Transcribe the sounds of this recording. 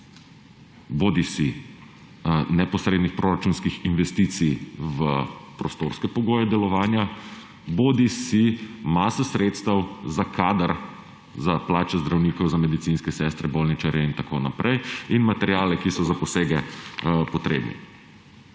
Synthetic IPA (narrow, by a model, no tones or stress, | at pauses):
boːd̪isi | nɛpɔsɾeːd̪nixpɾoːɾat͡ʃuːnskixinʋɛst̪iːt̪sijʋəpɾɔst̪oːɾskɛpɔɡoːjɛd̪ɛlɔʋaːnja | boːd̪isimasɔsɾeːt̪st̪ɐwzakʰaːd̪əɾ | zaplaːt͡ʃɛzd̪ɾawniːkɔwzamɛd̪it̪sinskɛsɛst̪ɾɛboːlnit͡ʃaɾjɛint̪akʰo̰na̰pɾɛjinmat̪ɛɾjaːlɛkisɔzapɔseːɡɛpɔt̪ɾḛːbnḭ